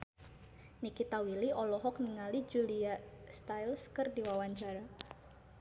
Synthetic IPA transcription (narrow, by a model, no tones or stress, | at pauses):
nikit̪awiliɔlɔɦɔk̚niŋalid͡ʒuliast̪ajlskɨrdiwawaɲt͡ʃaɾa